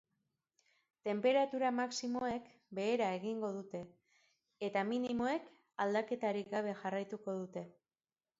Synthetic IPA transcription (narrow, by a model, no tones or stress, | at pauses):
t̪e̞mpe̞ɾat̪uɾamaksimo̞e̞k | be̞ːɾae̞ɣiŋɡo̞ð̞ut̪e̞ | et̪aminimo̞e̞k | ald̪ake̞t̪aɾikɡaβ̞e̞ʝarajt̪uko̞ðut̪e̞